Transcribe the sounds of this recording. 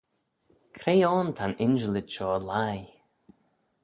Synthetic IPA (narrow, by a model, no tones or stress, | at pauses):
kʰɾejɔːnt̪ʰanɪnd͡ʒəlɪdʃɔːəlaj